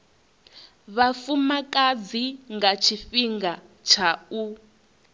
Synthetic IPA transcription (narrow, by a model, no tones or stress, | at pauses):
βafumakʼad͡ziŋɡat͡ʃʰifiŋɡat͡ʃʰau